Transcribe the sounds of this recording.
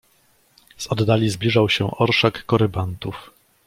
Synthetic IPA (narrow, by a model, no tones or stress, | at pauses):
sɔd̪ːalʲizblʲiʐawɕɛ̰ʔɔɾʂakːɔɾɘbant̪uf